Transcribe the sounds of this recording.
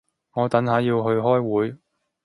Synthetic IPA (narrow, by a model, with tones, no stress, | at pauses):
ŋɔː˨˧t̪ɐ˨˥nɦaː˨˧jiː˧wɦɵ˧ɥɦɔː˥jwuː˨˥j